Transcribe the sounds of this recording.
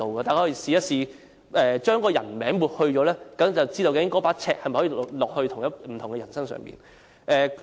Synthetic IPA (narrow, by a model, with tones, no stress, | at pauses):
o˧wkɔː˧t̪aː˨˩kʰɔ˥˧˥i˨˧˩siː˨˧jɐ˥t̚siː˨˧ | ɛː˨t͡ʃœː˥ŋkɔː˧jɐ˨˩nmɛː˨˥ŋmuː˨t̚hɵ˧ɥt͡ʃɔː˨˧˥lɛː˥kɐ˨˥t͡sɐ˨wt͡siː˥t̪o˧wke˨˥kɔː˨˥paː˨˥t͡sʰɛː˧˥k̚hɐ˨jm˩jhɔː˨˥iː˨lɔː˨k̚hɵ˧ɥt̪ʰʊ˨˩jɐ˥m̩˨˩t̪ʰʊ˨˩ŋɡɛ˧jɐ˨˩nsɐ˥ŋsœ̰ː˨ŋmpḭː˨n | ʔɛː˨